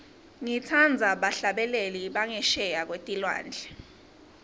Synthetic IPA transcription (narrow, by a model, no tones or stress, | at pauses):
ŋitʰand͡zʱaɓaɬaɓɛleliɓaŋɛʃɛjak̬wetʼilwa̰ːnd͡ɮʱɛ